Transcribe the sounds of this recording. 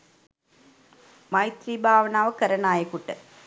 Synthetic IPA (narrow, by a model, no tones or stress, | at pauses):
mɐjt̪ɾiːbʱaːʋɐnaːʋəkəɾɐnaːjɐkuʈːə